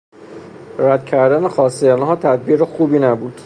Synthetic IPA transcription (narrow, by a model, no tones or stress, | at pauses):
ɾæd̪cʰæɾd̪ænexɒːseænɦɒːt̪ʰæd̪̚biːɾexuːbiːnæbuːd̪̥